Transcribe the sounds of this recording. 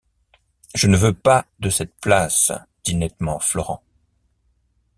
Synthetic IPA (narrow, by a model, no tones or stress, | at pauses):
ʒənəvøpad̪əsɛt̪̚plas | d̪̥inɛt̪mɑ̃flɔ̰ʁɑ̃